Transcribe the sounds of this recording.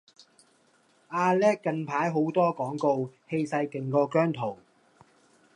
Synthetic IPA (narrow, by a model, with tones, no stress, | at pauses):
ʔaː˧lɛː˥k̚ːɐ˧npʰaː˨˥jɦo˨˥wt̪ɔː˥kɔː˨˥ŋko˧whe˧jsɐ˧jkɪ˨ŋkɔː˧kœː˥ŋt̪ʰo˨˩w